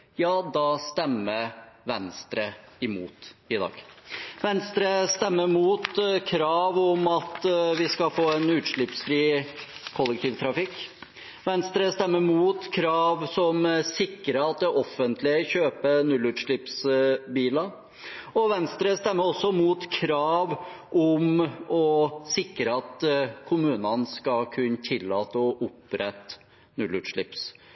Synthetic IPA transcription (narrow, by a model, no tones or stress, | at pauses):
jɑːd̪ɑst̪ɛmːəɾʋɛnst̪ɾəɪmṵːt̪ɪd̪ɑ̰ːɡʋɛnst̪ɾəst̪ɛmːəɾmuːt̪kʰɾɑːʋɔmɑt̪ʋɪskɑlfoːɛnʉːt̪ʂɭɪpsfɾiːkʰɔlːɛk̚t̪ʰiːʋt̪ʰɾɑfɪkː | ʋɛnst̪ɾəst̪ɛmːəɾmuːt̪kʰɾɑːʋsɔmsɪkːɾəɑt̪̚d̪ɛʔɔfːənt̪lɪəçøːpənʉlʉt̪ʂɭɪpsbiːlɑ | ɔʋɛnst̪ɾəst̪ɛmːəɾɔsːɔmuːt̪kʰɾɑːʋ | ʔɔmɔsɪkːɾəɑt̪kʰʊmʉːnənskɑlkʰʉnət̪ʰɪlːɑːt̪əɔʔʊpɾɛt̪ː | nʉlːʉt̪ʂɭɪps